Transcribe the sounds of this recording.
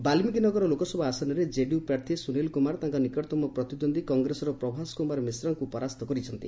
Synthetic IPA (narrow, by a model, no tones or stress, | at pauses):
balmikinɔɡɔɾɔlokɔsɔbʱɔasanɔɾed͡ʒeɖiupɾaɾt̪ʰisunelkumaɾt̪ãŋkɔnikɔʈt̪ɔmɔpɾɔt̪id̪ond̪ʱikɔŋɡɾesɔɾɔpɾɔbʱaskumaɾmisɾɔŋkupɔɾast̪ɔkɔɾit͡ʃʰɔnt̪ḭ